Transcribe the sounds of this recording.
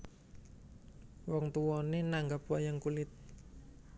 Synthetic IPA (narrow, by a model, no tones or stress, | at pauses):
wɔŋt̪uwɔnenaŋɡap̚wɔjaŋkulɪt̪̚